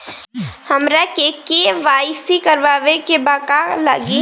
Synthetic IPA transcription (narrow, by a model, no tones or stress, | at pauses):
həmɾakekeʋaːɪsikəɾʋaːʋekebaːkalaɡi